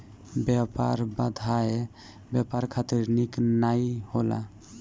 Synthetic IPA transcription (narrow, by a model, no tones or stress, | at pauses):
bapa̰ɾbad̪ʱae | bjapaɾkʰat̪iɾniknajhola̰